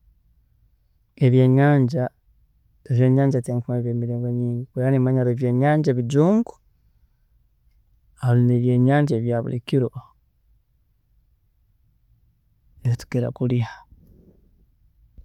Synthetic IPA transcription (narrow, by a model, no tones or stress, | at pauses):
eβje̞ːɲaːɲɟa | toʒe̞ːɲaːɲɟateːŋkumeβeːmiɾeːŋɡo̞ɲiːɲɡikueanemaɲaɾoβjeːɲaːɲɟaβiɟuːŋɡu̥ | halineβje̞ːɲaːɲɟaeβjaːβṵlḭkiɾo | eβitu̥keɾa̰kulia